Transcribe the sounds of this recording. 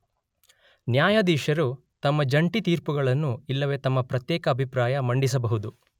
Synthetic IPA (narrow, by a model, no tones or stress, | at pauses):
njaːjɐd̪iːʂɐɾu | t̪ɐmːɐd͡ʒɐɳʈit̪iːɾpuɡɐɭɐnːuilːɐʋe̞t̪ɐmːɐpɾɐt̪jɛːkɐːbʱipɾaːjɐmɐɳɖis̬ɐbɐɦud̪u